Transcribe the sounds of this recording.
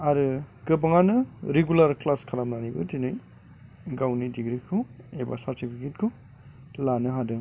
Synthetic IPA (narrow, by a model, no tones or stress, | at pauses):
aɾɯkɯbaŋanɯɾeɡulaɾklaskʰalamnanibɯ̰tinɯj | ɡawnidiɡɾikʰueba̰saɾtipʰiket̚kʰɯ | lanɯɦadɯ